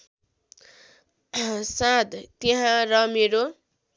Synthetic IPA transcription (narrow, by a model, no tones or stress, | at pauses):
sãd̪t̪eɦãɾʌmeɾo